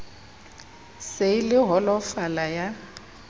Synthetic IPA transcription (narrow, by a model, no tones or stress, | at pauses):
selɪɦɔlɔfalaja